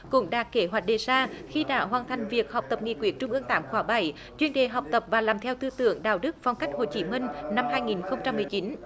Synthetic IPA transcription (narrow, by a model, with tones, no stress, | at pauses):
kʊ̰˧˥ŋ͡mɗaː˨˩˥kke˧˩ɦwa˨˩t̚ɗe˨˩saː˧xi˧ɗa̰ː˧˩˦wɦwaː˨˩nt̪ʰa˨˩jŋ̟vi˨˩ək̚ha˨˩wk͡p̚t̪ə˨˩p̚ŋḭ˧˩kwi˨˧˦ək̚t͡ɕʊ˧ŋ͡mʔɨ˧əŋt̪aː˧˥mxwaː˧˩ɓa˧˩j | t͡ɕwi˧ənɗe˨˩ɦa˨˩wk͡p̚t̪ə˨˩p̚vaː˨˩laː˨˩mt̪ʰɛ˧wt̪ɨ˧t̪ɨ̰˧˨əŋɗa̰ː˧˨wɗɨ˦˥k̚va˨˧wŋ͡mka˦˥jk̟̚ho˨˩t͡ɕi˨˦mï˧ŋ̟na˧mɦaː˧jŋi˨˩nxə˧wŋ͡mt͡ɕa˧mːɨ˨˩əjt͡ɕi˨˦n